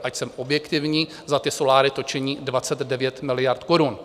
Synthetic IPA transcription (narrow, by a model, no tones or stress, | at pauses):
ʔacsɛmʔo̞bjɛkt̪ɪvɲiː | zat̪ɪso̞laːɾɪt̪o̞t͡ʃɛɲiːdvat͡sɛd̪dɛvjɛt̪mɪlɪjaɾt̪koɾun